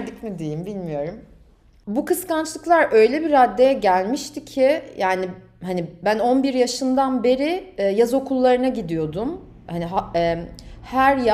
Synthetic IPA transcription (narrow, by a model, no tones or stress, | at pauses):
d̪icmid̪ejimbilʲmijo̞ɾum | bukʰɯskant͡ʃlˠɯklˠaɾʔø̞jlʲɛbiɾad̪ːe̞jɛɟælʲmiʃt̪ʰicʰɪjaːni | hanibæno̞nbiɾjaʃɯnd̪anbe̞ɾɪjazo̞kʰulˠːaɾɯnaɟid̪ijo̞d̪um | haniɦaɛhæɾj